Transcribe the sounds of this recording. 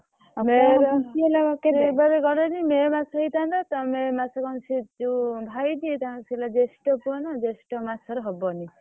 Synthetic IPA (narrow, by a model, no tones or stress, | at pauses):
meɾɔlaɔkeebaɾeɡɔɾɔnimemasɔɦit̪and̪at̪ɔmemasɔkɔnt͡ʃʰid͡ʒubʱajd̪iet̪aɔsilad͡ʒesʈɔpuɔnad͡ʒesʈɔmasʰɔɾɔɦɔbɔni